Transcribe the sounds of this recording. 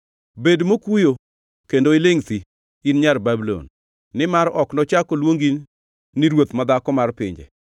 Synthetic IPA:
bedmokujo | kendoɪleŋsi | inɲarbabilo̰nː | ɪmaɾɔknɔt͡ʃakolwoŋɡinː | ɪɾwot̪mad̪akɔmarpɪ̰ɲd͡ʒḛ

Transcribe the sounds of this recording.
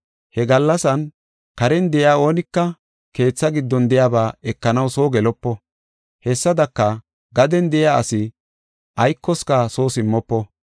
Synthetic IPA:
hɛɡɐlːɐsɐn | kɐɾɛnd̪ɛjaːo̞ːnɪkːɐ | ke̞ːt͡sːɐɡɪd̪ːɔnd̪ɛjaːbaːɛkːɐnɐwso̞ːɡɛlɔpːɔ | hɛsːɐd̪ɐkːɐ | ɡɐd̪ɛnd̪ɛjaːɐsɪ | ʔɐjkːɔskaso̞ːsɪmːɔpːɔ

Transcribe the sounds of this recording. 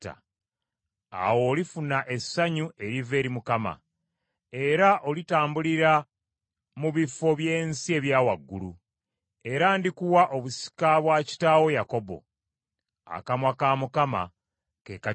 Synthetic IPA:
ta̰ | a̰wo̞ːlifunaʔe̞sːaɲuʔeɾive̞ːɾimukama̰ | e̞ɾaʔo̞litaːmbuliɾa | muβifo̞βje̞ːnsie̞βjaːwaɡːulu | e̞ɾaːndikuwaʔo̞βusi̥kaβwaci̥taːwo̞jako̞bo̞̰ | a̰kamwakaːmukama̰ | kḛːka

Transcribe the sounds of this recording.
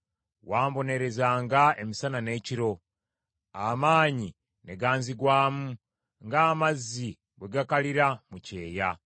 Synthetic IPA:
waːmbo̞ne̞ɾe̞zaːŋɡae̞misanane̞ːciɾo̞ | amaːɲi | ne̞ɡaːnziɡwaːmu | ŋɡaːmazːi | βwe̞ɡakaliɾamuce̞ːja

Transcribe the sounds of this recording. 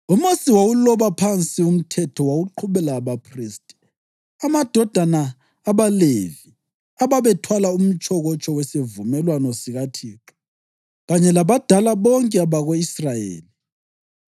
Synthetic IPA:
umusiwawulɔβapʰant͡sʼium̩tʰɛtʰɔwaɣuǃʰuβɛlaβapʰriːstʼ | amad̥ʱɔd̥ʱanaː | βalevi | aβaβɛtʰwalaum̩t͡ʃʼɔɣɔt͡ʃʼɔwɛsevumɛlwanɔsiɣatʰiːǁɔ̥ | ɣaɲɛlaβad̥ʱalaβɔŋkʼɛaβaɣoisrajḛːli

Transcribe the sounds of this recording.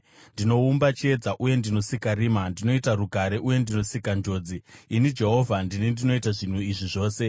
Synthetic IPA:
ndino̞umbat͡ʃe̞d͡zaʔuje̞ndino̞sikaɾiːmandino̞itaruɡʱaɾe̞ʔuje̞ndino̞sikand͡ʒo̞d͡ziːnid͡ʒe̞ɦo̞ːvʱandinindino̞itaʐin̤uiʐiʐo̞ːse̞

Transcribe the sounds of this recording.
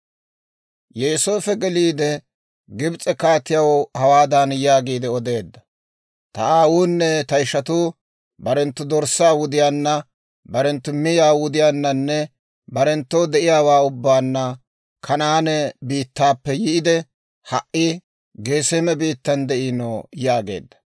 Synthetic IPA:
jɛːsoːfɛɡɛliːd̪ɛ | ɡɪbt͡sʼɛkaːt̪ːɪjawɔhɐwaːd̪anjaːɡiːd̪ɛɔd̪e̞ːd̪ːɐ̥ | t̪ɐ̰aːwuːnːɛt̪ɐɪʃɐt̪uː | bɐɾɛnt̪ːʊd̪ɔɾsaːwʊd̪ɪjaːnːɐ | bɐɾɛnt̪ːʊmɪjaːwʊd̪ɪjaːnːɐnːɛ | bɐɾɛnt̪ːod̪ɛʔɪjaːwaːʊbːaːnːɐ | kʰɐnaːnɛbiːt̪ːaːpːɛjɪʔɪd̪ɛ | hɐʔːɪ | ɡe̞ːsemɛbiːt̪ːɐnd̪ɛʔinojaːɡe̞̰ːd̪ːɐ̥

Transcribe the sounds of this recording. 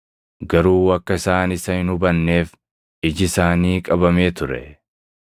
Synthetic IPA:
ɡɐɾuːɐkːɐɪsaːnɪsɐhɪnʊbɐnːe̞ːf | ɪd͡ʒɪɪsaːniːkʼɐbɐme̞ːt̪ʊɾɛ̰

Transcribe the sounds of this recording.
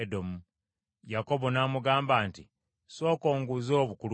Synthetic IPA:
do̞mu | jako̞βo̞naːmuɡaːmbaːntḭ | so̞ːko̞ːŋɡuzo̞ːβukulu

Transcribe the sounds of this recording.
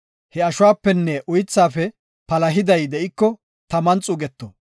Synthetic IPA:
hɛɐʃʊwaːpːɛnːɛʔʊjɪt͡sːaːfɛ | pɐlɐɦɪd̪ɐjd̪ɛʔɪkːɔ | t̪ɐmɐnt͡sʼʊɡɛt̪ːɔ

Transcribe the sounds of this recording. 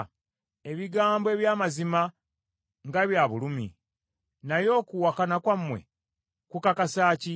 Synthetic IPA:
e̞βiɡaːmboe̞βjaːmazima | ŋɡaβjaβulumḭ | najo̞ːkuwakanakwamːwe̞̰ | kukakasaːci

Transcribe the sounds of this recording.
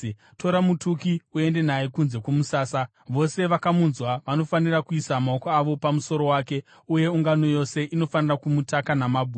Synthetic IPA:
tʰo̞ɾamutukiue̞nde̞najekunze̞kumusaːsa | ʋo̞se̞ʋakamunzwaʋano̞fanirakuisamaokoaʋo̞pamuso̞ɾo̞waːke̞ | uje̞uŋɡano̞jo̞se̞ʔino̞fanirakumutakanamabʱu

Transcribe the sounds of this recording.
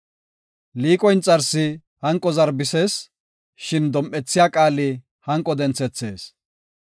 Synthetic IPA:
liːkʼɔjnt͡sʼːɐɾsɪ | hɐŋkʼːɔzɐɾbɪse̞ːs | ʃɪnd̪ɔmʔɛt͡sːɪjaːkʼaːlɪ | hɐŋkʼːɔd̪ɛnt͡sɛt͡sːe̞ːs

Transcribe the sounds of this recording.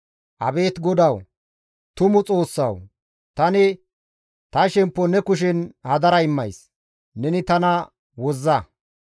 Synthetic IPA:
ʔɐbe̞ːt̪ɡɔd̪ɐw | t̪ʊmʊt͡sʼo̞ːsːɐ̰w | t̪ɐnɪ | t̪ɐʃɛmpːɔnɛkʊʃ̬ɪnhɐd̪ɐɾɐɪmːɐjs | nɛnɪt̪ɐnɐ | wɔzːɐ

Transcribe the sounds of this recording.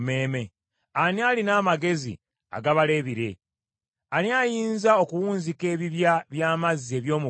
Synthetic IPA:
me̞ːme̞ | aniaːlinaːmaɡe̞zḭ | a̰ɡaβale̞βiɾe̞ | aliajiːnzao̞kuwuːnzike̞ːβiβjaβjaːmazie̞βjo̞ːmu

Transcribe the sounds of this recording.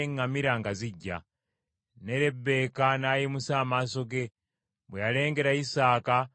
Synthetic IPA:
eŋamiɾaŋɡaziɟːa̰ | neɾebe̞kanajimusaːmaso̞ɡe | bwejale̞ːŋɡe̞ɾaisaːka

